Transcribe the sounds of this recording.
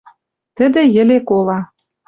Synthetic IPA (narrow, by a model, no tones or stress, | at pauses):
t̪ə̆d̪ĕjɘ̆lekolɑ